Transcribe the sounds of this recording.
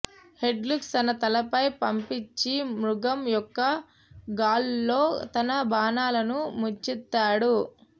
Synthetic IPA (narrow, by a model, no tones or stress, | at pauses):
he̞ɖluksɐnɐt̪ɐlɐpɐjpɐmpit͡ʃːimɾuɡɐmjɔkːɐ | ɡaːllo̞ːt̪ɐnɐbaːnaːlɐnumut͡ʃːit̪ːaːɽu